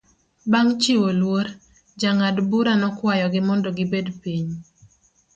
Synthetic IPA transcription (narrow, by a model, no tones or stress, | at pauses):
baŋt͡ʃiwolwoɾ | d͡ʒaŋadbuɾanɔkwajɔɡɪmɔndɔɡɪbedpiɲ